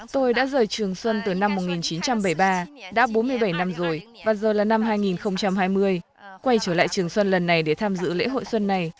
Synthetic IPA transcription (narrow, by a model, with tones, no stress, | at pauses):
t̪o˧jɗa̰ː˧˥zəː˨˩jt͡ɕɨ˨˩əŋswə˧nt̪ɨ˨˩na˧mːo˨˩t̚ŋi˨˩nt͡ɕi˨˦nt͡ɕa˧mɓə˧˩jɓaː˧ɗa̰ː˧˥ɓo˨˦nmɨ˧əjɓə˧˩jna˧mzo˨˩j | vaː˨˩zəː˨˩laː˨˩na˧mɦaː˧jŋi˨˩nxə˧wŋ͡mt͡ɕa˧mɦaː˧jmɨ˧əj | kwa˧jt͡ɕəː˧˩la̰ː˧˨jt͡ɕɨ˨˩əŋswə˧nlə˨˩nːa˨˩jɗe˧˩t̪ʰaː˧mzɨ̰˧˥lḛ˧˥ɦo̰˧˨jswə˧nːa˨˩j